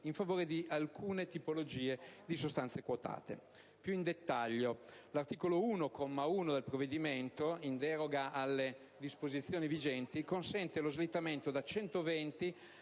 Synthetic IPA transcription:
iɱfavoːɾed̪iʔalkʰuːnet̪ipolod͡ʒiːed̪isost̪ant̪sekwot̪a̰ːt̪ḛ | pjuind̪et̪ːaʎːolart̪iːkolouːnokʰomːauːnod̪elpɾoved̪iment̪oind̪ɛɾoɡaʔalːe | d̪ispozit̪sːjoːnivid͡ʒɛnt̪ikonsɛnt̪elozlit̪ːament̪od̪at͡ʃɛnt̪ovɛnt̪i

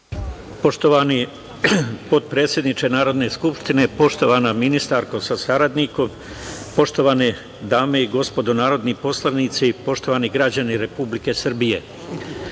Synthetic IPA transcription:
poʃt̪oʋani | po̞t̪̚pɾeːt̪sʲjed̪nit͡ʃe̞naːɾo̞d̪ne̞skupʃt̪ine̞po̞ʃt̪o̞ʋanaminist̪aɾko̞sasaɾad̪niko̞m | po̞ʃt̪o̞ʋaːne | d̪aːme̞iɡo̞spo̞d̪onaːɾo̞d̪nipo̞slˠanit̪sipo̞ʃt̪o̞ʋaːniɡɾad͡ʑaniɾe̞publike̞sr̩bije̞̰

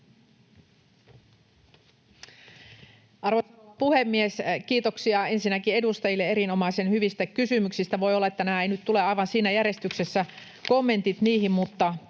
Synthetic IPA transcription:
ʔɑrʋopuhemːieskiːt̪oksiɑensinːækie̞dust̪ɑjilːeeɾino̞mɑisenhyʋist̪ækysymyksist̪æʋo̞jolːɑet̪ːænmæːeinyt̪t̪uleɑiʋɑnsiːnæjæɾrje̞st̪ykse̞sːæ | ko̞mːe̞nt̪it̪niːhimmut̪ːɑ

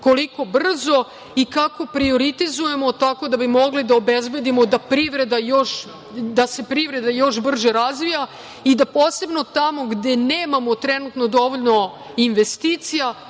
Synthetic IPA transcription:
ko̞liko̞br̩zo̞ | ikako̞pɾio̞ɾit̪izuje̞mo̞t̪ako̞d̪abimo̞ɡlid̪aobezbe̞d̪imo̞d̪apɾiʋɾe̞d̪ajoʃ | d̪ase̞pɾiʋɾe̞d̪ajo̞ʃbr̩ʒeɾazʋija | id̪apoːse̞bno̞t̪amo̞ɡd̪e̞neːmamo̞t̪ɾɛnut̪no̞d̪o̞ʋoʎʲno̞ | inʋe̞st̪iːt̪sija

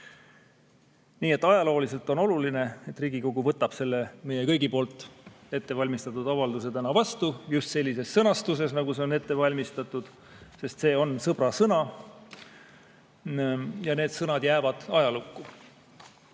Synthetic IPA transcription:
niːe̞t̪ːˑɑjɑlo̞ːlise̞lt̪ːˑo̞no̞luline̞et̪ːriːɡ̥iko̞ɡ̥uvɤt̪ːˑɑb̥se̞lːeme̞jekɤjɡipo̞ːlt̪ːˑe̞t̪ːe̞vɑlʲmist̪ɑt̪ːˑud̪̥ɑvɑld̪use̞t̪ænɑvɑst̪ujust̪se̞lʲːise̞sːɤnɑst̪us̬e̞s̬nɑɡ̥use̞o̞ne̞t̪ːe̞vɑlʲmist̪ɑt̪ːˑud̪̥ | se̞st̪se̞ːo̞nsɤb̥ɾɑsɤnɑ | jɑne̞ːd̪̥sɤnɑd̪jæːvɑd̪̥ɑjɑlukːu

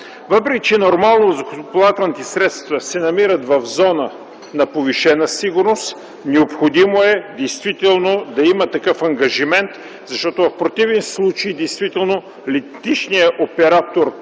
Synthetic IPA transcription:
vəpɾɛkʲit͡ʃɛnoɾmalˠnozɐkot̪plˠat̪ɛlˠnit̪ɛsɾɛt̪st̪vəsɛnɐmiɾət̪vɐvzɔnə | nɐpoviʃɛnəsiɡʊɾnost̪ | nɛopxod̪imoɛd̪ɛjst̪vit̪ɛlˠnod̪ɐimət̪ɐkɤfɐŋɡɐʒimɛnt̪ | zɐʃt̪ɔt̪ovɐfpɾot̪ivɛnslˠut͡ʃejd̪ɛjst̪vit̪ɛlˠno | lit̪it͡ʃnijəʔopɛɾat̪oɾ

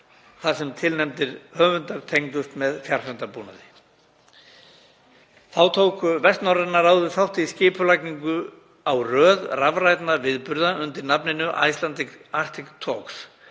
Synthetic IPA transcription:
θasɛmt̪ʰɪlnɛmt̪ɪɾhœːvʏnt̪aɾt̪ʰejŋkʏst̪mɛðfjar̥hœnt̪apuːna̰ðɪ | θawt̪ʰowkʏvɛst̪nawɾanaɾawðʏ̥θawht̪ɪiscɪːpʏlajkniŋkʏ | awrœːðravrajt̪navɪðpʏɾðaʏnt̪ɪɾnapnɪnʏʔa̰jst̪lant̪ɪkar̥t̪ʰɪkt̪ʰɔks

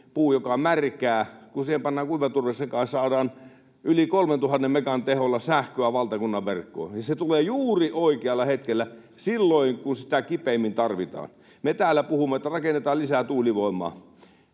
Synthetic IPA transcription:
puːjokɑmærkæːkusiːhempɑnːɑːŋkuiʋet̪urʋesːeŋkɑ̃nssɑːdɑːn | ʔylikolment̪uhɑnːemmekɑnt̪eholːɑsæhkøæʋɑlt̪ɑkunːɑʋerkːo̰ːnjɑset̪uleːjuːriʔoikeɑlːɑhet̪kelːæ | silːoiŋkunsit̪ækipeimːint̪ɑrʋit̪ɑ̰ːn | met̪æːlːˑæpuhumːeet̪ːærɑkenːet̪ɑːllisæt̪uːliʋoˑimːˑɑ̰ː

